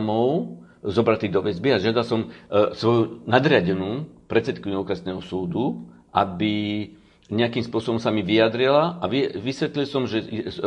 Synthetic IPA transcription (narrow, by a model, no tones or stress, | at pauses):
mɔʊ | zɔbɾat̪iɣd̪ɔʋɛzbiaʒɪad̪alsɔmsʋɔjunad̪ɾɪaɟɛnuːpɾɛt̪t͡sɛt̪kiɲɔkɾɛsnɛːɦɔsuːd̪u | ʔabi | ɲɛakiːmspʊɔsɔbɔmsamiʋijad̪ɾilaʔaʋiʋisʋɛt̪lilsɔmʒɛ